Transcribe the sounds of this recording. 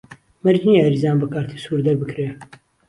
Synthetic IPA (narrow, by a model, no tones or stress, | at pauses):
mɐɾd͡ʒnijɾizaːnbɐkaːɾt̪ʰiːsuːɾd̪ɐɾbɨkɾeː